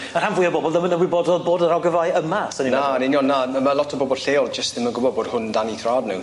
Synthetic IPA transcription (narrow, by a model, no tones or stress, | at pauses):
ərhanvʊjəbɔbɔlˠdəmənəwiboːdɔðboːdəɾawɡəvajəmasəninanɪnjɔnːaəməlˠɔtʰəbɔbɔlˠɬeːɔlˠd͡ʒəstdɪmənɡʊbɔd̚boːd̥hʊndaniθradnʊ̰